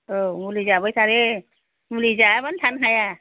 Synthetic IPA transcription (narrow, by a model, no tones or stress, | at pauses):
omulizabɔjsaɾe | mulizabantʰanɦaja